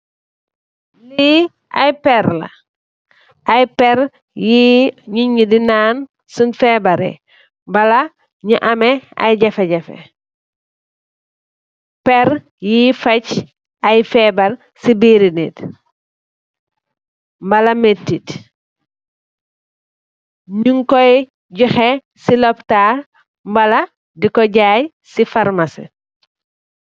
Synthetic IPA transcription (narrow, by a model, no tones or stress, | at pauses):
li | a̰jpɛɾla̰ | ajpɛɾ | jiɲiɲudinaːn | sunfɛbɐɾḛ | mbɐla | ɲiʔɐmea̰jɟɐfeɟɛfḛ | pɛɾ | jifɐc | ɐjfɛbɐl | sibiːɾinit | mbɐlɐmetːit | ɲuŋkɔj | ɟɔxɛ | silɔptaː | mbɐlɐ | dikɔɟaːj | sifɐɾmasḭ